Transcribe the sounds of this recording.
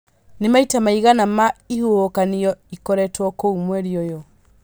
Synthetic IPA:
nemaitamaiɣanamaihuhokanijɔikɔɾɛtwɔkoumwɛɾiɔjɔ

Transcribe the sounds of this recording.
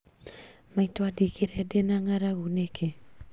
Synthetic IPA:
maitwadikeɾɛdenaŋaɾaɣunekʰe

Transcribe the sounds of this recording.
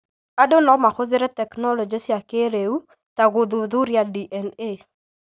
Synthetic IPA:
adonɔmaxʊðɪɾɛtɛknɔlɔd͡ʒesjakeɾeu | taɡʊðuðuɾjadiʔɛne

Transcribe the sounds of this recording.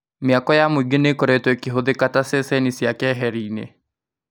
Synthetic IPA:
miakɔjamuɡenekɔɾɛtwɛkiɦoðekatasesɛnisjakɛɦɛɾiːnḛ

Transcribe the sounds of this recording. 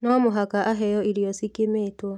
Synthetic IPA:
nɔmoɦakaʔaɦɛjɔiɾijɔsikemeːtwɔ

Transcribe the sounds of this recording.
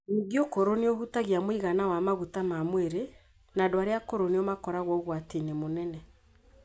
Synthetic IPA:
niɡjokoɾoneoɦutaɣiamwiɣanawamaɣutamamweɾe | nadwaɾeakoɾoneomakɔɾaɣwɔɣwatenemonɛnɛ

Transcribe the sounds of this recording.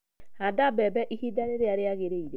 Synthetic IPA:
adabɛbɛʔihidaɾeɾeaɾeaɣeɾeiɾe

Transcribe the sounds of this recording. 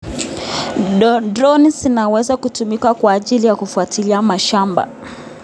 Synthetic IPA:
dɾɔnizinawɛzakutumikakwaːʄilijakufuatiliamaʃamba̰

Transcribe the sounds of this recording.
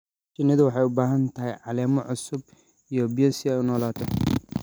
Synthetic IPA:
t͡ʃɪnːɐðʊwɑħɑjʊbaːɦɐnt̪ʰɐɦɛjʕɑlɛːmɔʕʊsʊb̚ | ijɔbɪjɛsɪɛjʊnɔːlaːt̪ʰɔ

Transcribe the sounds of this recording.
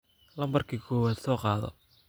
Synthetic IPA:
lɐmbɐrkʰiːkʰɔːwaːd̪sɔːqɑːðɔ̰

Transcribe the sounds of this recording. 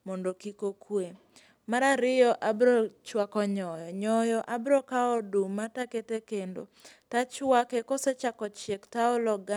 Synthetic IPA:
mɔndokikokwe | maɾaɾɪjɔʔabɾɔt͡ʃwakɔɲɔjɔɲɔjɔʔabɾɔkaɔdumataketekendo̰tat͡ʃwakekɔset͡ʃakɔt͡ʃektaɔlɔɡa

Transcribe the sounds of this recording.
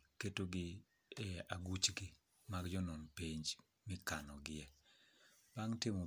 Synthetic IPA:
ketoɡɪ | ɛaɡut͡ʃɡi | maɡd͡ʒɔnɔnpeɲd͡ʒ | mɪkanɔɡɪɛ | b̥aŋtɪmo

